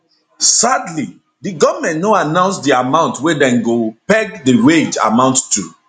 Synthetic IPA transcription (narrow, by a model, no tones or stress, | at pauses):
sadli | diɡɔvəmɛ̃nnoanãʊ̃nsdiamãʊ̃ntwɛdɛ̃nɡopɛɡ̚dəweid͡ʒa̰mãʊ̃nttːu